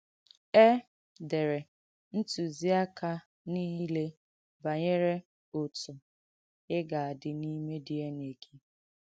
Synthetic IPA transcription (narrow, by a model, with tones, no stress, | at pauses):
e˦ | de˨ɾe˨ | n̩˦tu˨zi˦a˦ka˦ | niː˦ɦi˦le˦ | ba˨ɲe˦ɾe˦ | ʊ˨tʊ˨ | ɪ˦ɡa˨a˨dɪ˨ni˦me˦dɪ˨e˦ne˨kʰi˦